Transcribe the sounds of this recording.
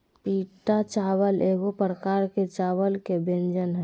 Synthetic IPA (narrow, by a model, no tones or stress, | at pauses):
piːʈat͡ʃawəlʔeːɡopɾəkaːɾket͡ʃaːwəlkebẽnd͡ʒənɦɛ